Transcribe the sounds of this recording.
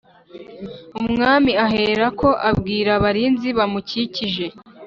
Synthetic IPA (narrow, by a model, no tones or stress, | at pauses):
umŋaːmiaɦeːɾako̞ʔabɡiːɾaβaɾiːnziβamuciciʒe̞